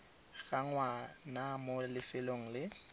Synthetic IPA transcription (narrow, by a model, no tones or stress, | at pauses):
ɣaŋwanamolɪfɪloŋ̩lɪ